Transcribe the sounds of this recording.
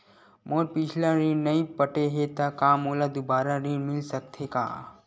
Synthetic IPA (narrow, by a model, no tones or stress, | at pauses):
moːɾpɪt͡ʃʰlaɾiːnnɐipəʈeɦet̪akaːmoːlad̪ubaːɾaɾiːnmɪlsɐk̚t̪ʰeka̰ː